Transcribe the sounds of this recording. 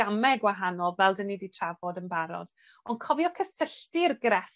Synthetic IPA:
amɛɡwaɦanɔlˠvɛlˠdənːiditʰravɔdənbaɾɔ̰d̥ | ɔnkʰɔvjɔkʰəsəɬtɪrɡrɛf

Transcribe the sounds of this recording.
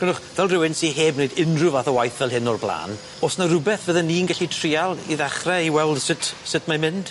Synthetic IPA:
kɛnʊχvɛlˠrɪwɪnsiɦeːbnejdɪnrʊvaθəwajθvɛlˠɦɪnɔrblˠa̰ːn | ɔsnarʊbɛθvəðɛniːnɡaɬitʰrialˠiðaχrɛiwɛlˠd̥sɪtʰsɪtʰmamɪnd̥

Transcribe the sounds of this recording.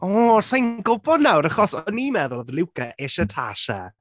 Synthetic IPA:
ɔːsajnɡʊbɔdnawɾaχɔsɔniːmɛðʊlˠðlˠɪwkʰəʔɛʃətʰaʃa̰

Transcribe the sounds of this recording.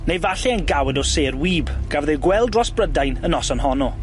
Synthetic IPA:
nejvaɬɛanɡawɛdɔseːrwiːbɡ̥avðɛɡwɛlˠdrɔsb̥rədajnənɔsɔnhɔnɔ

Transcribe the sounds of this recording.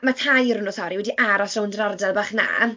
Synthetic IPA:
matʰajɾʊnɔsɔɾiwɛdiʔaɾɔsrawndrardalˠbaːχna̰ː

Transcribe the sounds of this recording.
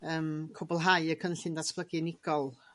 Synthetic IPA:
əːmkʰobɔlˠɦajəkʰənɬɪndatʰb̥lˠəɡinɪɡ̥ɔlˠ

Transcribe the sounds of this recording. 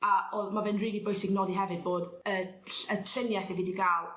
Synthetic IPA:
aomavɛnriːɡibojsɪɡnɔdiɦɛvɨd̚boːdə | ɬətʰrɪnjɛθɛvidiɡaːlˠ

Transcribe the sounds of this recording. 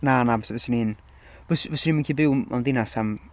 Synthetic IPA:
nanavəsvəsənin | vəsvəsəniːmənkʰiːbɪwmʔa̰ndɪnasam

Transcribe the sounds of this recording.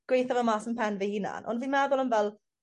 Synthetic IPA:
ɡ̥wejθavəmaːsənpʰɛnvɛhina̰nʔɔ̰nviːnmɛðʊlˠənvɛlˠ

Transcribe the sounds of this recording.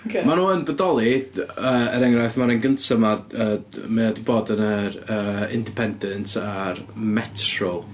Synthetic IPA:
kʰmanuːənbədɔlˠiəːəɾɛŋrajθmaɾanɡəntʰəmaəːmɛadɪboːdənəɾəːɪ̰ndɪpʰɛndɛntʰarmɛtʰrɔlˠ

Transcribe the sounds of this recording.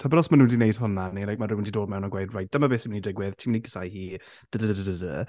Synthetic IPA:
tʰabɛɾɔsmanũːndinejd̥ɦʊnanilajk̚maɾɪwɪndidoːdmɛwnaɡwejdrajt̚d̥əmabeːsimnidɪɡwɪðtʰiːmniɡəsajhiː | d̥ədədədədədə̰

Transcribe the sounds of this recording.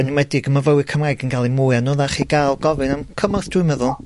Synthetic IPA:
ənwɛdɪɡəmavəwɨkʰəmrajɡənɡalˠimʊɨanoːðaχiːɡajlˠɡɔvɨnamkʰəmɔθd̥wɨmɛðʊlˠ

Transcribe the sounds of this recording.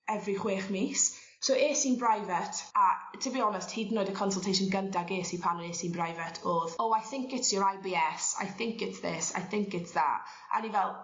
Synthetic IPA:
ɛvriχweːχmiːs | soʔeːsiːnbrajvətʰatʰəbiːɔnəsthiːdn̩ːoːɨdəkʰɔnsɔlˠtʰejʃənɡəntʰaɡeːsipʰanəneːsinbrajvətʰɔːðɔwajθɪŋkɪtsjɔɹajbiːɛsa̰jθɪŋkɪtsðɪ̰sa̰jθɪ̃ŋkɪtsða̰ | ʔa̰nivɛlˠ

